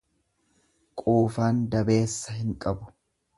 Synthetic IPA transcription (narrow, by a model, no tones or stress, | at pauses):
kʼuːfaːnd̪ɐbe̞ːsːɐɦɪŋkʼɐbʊ̥